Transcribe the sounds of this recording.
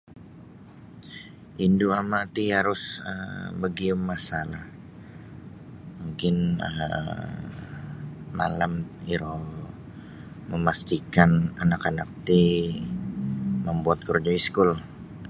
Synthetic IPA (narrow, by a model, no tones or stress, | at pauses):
ʔinduamat̪ihaɾʊsə̰bəɡiʊmːasalah | muŋkɪnə̰ | ma̰lamiɾo | məmast̪ikananakanak̚t̪i | məmbuat̪̚kərd͡ʒɔiskʊl